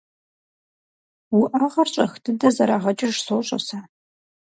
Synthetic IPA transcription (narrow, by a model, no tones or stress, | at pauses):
wʊʔaʁɐrɕʷʼɐxdʰɨdɐzɐɾaːʁɐt͡ʃʼɪʂsoːɕʼɐ̰saː